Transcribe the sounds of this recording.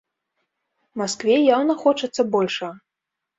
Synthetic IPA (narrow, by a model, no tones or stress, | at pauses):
maskvʲɛjawnɐxɔt͡ʂɐt̪sːɐbɔlʲʂɐ